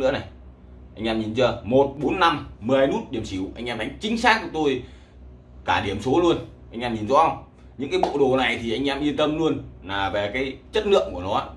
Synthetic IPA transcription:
ɨ̰˧˥əna˨˩j | ʔa˧jŋ̟ʔɛː˧mɲi˨˩nzəː˧˩mo˨˩t̚ɓo˨˦nːa˧mmɨ˨˩əhaː˧jnu˦˥t̚ɗi˧˩əmsi˧˩wʔa˧ŋ̟ʔɛː˧mt̪ʰa˨˦jt͡ɕï˨˦ŋ̟saː˦˥k̚ku˨˩t̪o˧j | kaː˧˩ɗi˧˩əmso˨˦lu˧ənʔa˧jŋ̟ʔɛː˧mɲi˨˩nzɔ̰˨˦ə˧wŋ͡m | ɲɨ̰˧˥ŋkaː˨˦mɓo̰˧˨ɗo˨˩na˨˩jt̪ʰi˨˩ʔa˧jŋ̟ʔɛː˧mʔi˧ənt̪ə˧mlu˧ənlaː˨˩ve˨˩kaː˨˦jt͡ɕə˦˥t̚lɨ̰˧˨əŋku˧˩ənɔ˨˦ʔaː˨˦˥

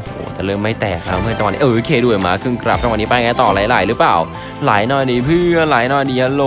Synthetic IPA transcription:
ʔo˨˩˨ho̰ː˨˩˦t̪ɛː˨˩lɤː˦˧˩mːa˥˩jt̪ɛː˨˩k̚na˦˥wmɯ˥˧˩ət͡ɕa˧˨ni˨˦ʔkʰeː˧˩du˧˩ə˩jmaː˦˥˩kʰɯ˧ŋkɾa˨p̚t͡ɕa˧wa˧˨nːiː˦˥pa˧jŋa˧jt̪ɔː˨˩laː˨˩˦jla̰ː˨˩˦jɾɯ˦˥plaː˨˩w | laː˨˩˦jnɔː˧˩jdiː˨˦˩pʰɯː˧˩a˧laː˨˩˦jnɔː˧˩jniː˧˦a˧lo˧

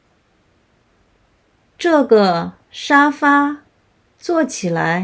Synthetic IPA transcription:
ʈ͡ʂɤ˥˩ɡə˩ | ʂa˥fa˥ | t͡swɔ˥˩t͡ɕʰi˨˩la̰˧˥ɪ

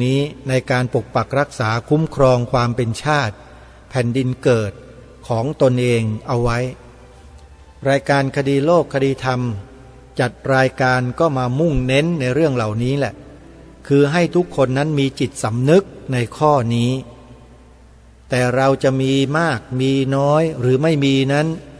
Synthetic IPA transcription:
iː˦˥na˧jkaː˧npo˨˩k̚pa˨˩k̚ɾa˦˥k̚saː˩˦kʰu˦˥mkʰɾɔː˧ŋkʰwaː˧mpe˧nt͡ɕʰaː˥˩t̪̚ | pʰɛ˨˩ndi˧nkɤː˨˩t̪̚ | kʰɔː˩˦ŋt̪o˧nʔeː˧ŋʔa˧wːa˦˥j | ɾaː˧jkaː˧nkʰa˧diː˧loː˥˩kʰːa˧diː˧t̪ʰa˧m | t͡ɕa˨˩t̪̚ɾaː˧jkaː˧nkɔː˥˩maː˧mu˥˩ŋne˦˥nːa˧jɾɯ˥˩əŋla˨˩wniː˦˥lɛ˨˩ʔ | kʰɯː˧ɦa˥˩jt̪ʰu˦˥kʰːo˧nːa˦˥nmiː˧t͡ɕi˨˩t̪̚sa˩˦mnɯ˦˥k̚na˧jkʰɔː˥˩niː˦˥ | t̪ɛː˨˩ɾa˧wt͡ɕa˨˩ʔmiː˧maː˥˩k̚miː˧nɔː˦˥jɾɯː˩˦ma˥˩jmiː˧na˦˥n

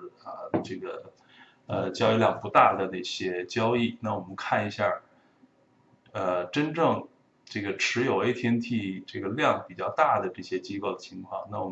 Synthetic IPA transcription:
ə˧ʈ͡ʂɤ˥˩ɡə˩ | ə˧t͡ɕjɑ˥ʊi˥˧ljɑ˥˩ŋpu˧˥t̪a˥˩d̪ə˩na˥˩ɕjɛ˥t͡ɕjɑ˥ʊi˥˩na˥˩wɔ˨˩mə˦nkʰa˥˩ni˧˥ɕja˥˩ | ə˧ʈ͡ʂə˥nʈ͡ʂɤ˥˧ŋ | ʈ͡ʂɤ˥˩ɡə˩ʈ͡ʂʰɻ̩˧˥jo˨˩ʊe˥˧t̪ʰjɛ˥nt̪ʰi˥˩ʈ͡ʂɤ˥˩ɡə˩ljɑ˥˩ŋpi˨˩t͡ɕjɑ˥˧ʊt̪a˥˩d̪ə˩ʈ͡ʂɤ˥˩ɕjɛ˥t͡ɕi˥ko˥˩ʊd̪ə˩t͡ɕʰi˧˥ŋkʰwɑ˥˩ŋna˥˩wɔ˨˩

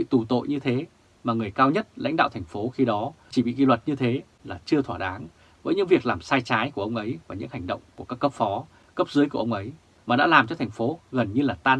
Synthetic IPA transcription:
ɓḭ˧˨t̪u˨˩t̪o̰˧˨jɲɨ˧t̪ʰe˨˦ | maː˨˩ŋɨ˨˩əjkaː˧wɲə˦˥t̚la̰˧˥ŋ̟ɗa̰ː˧˨wt̪ʰɛ˨˩ŋ̟fo˨˦xi˧ɗɔ˨˦t͡ɕi˧˩ɓḭ˧˨ki˧lwə˨˩t̚ɲɨ˧t̪ʰe˨˦ | laː˨˩t͡ɕɨ˧ət̪ʰwaː˧˩ɗaː˨˦ŋ | vəː˨˦jɲɨ̰˧˥ŋvi˨˩ək̚laː˨˩msaː˧jt͡ɕaː˨˦jku˧˩əʔə˧wŋ͡mʔə˨˦jvaː˨˩ɲɨ̰˧˥ŋha˨˩jŋ̟ɗə̰˧˨wŋ͡mku˧˩əkaː˦˥kːə˦˥p̚fɔ˨˦ | kə˦˥p̚zɨ˨˦jku˧˩ʔə˧wŋ͡mʔə˨˦j | maː˨˩ɗa̰ː˧˥laː˨˩mt͡ɕɔ˧t̪ʰɛ˨˩jŋ̟fo˨˦ɣə˨˩nɲɨ˧laː˨˩t̪aː˧n

